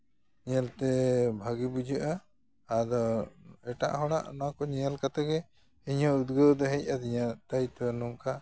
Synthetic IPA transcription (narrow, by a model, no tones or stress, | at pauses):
ɲɛlt̪ɛbʱaɡibud͡ʒʱəʔaː | d̪ɔɛʈa̰ʔɦɔɽ̃a̰ʔnakɔɲɛalkat̪aɡɛ | iɲɔud̪ɡəd̪ɔɦɛc̚ad̪iɲat̪ajt̪ɔnuŋka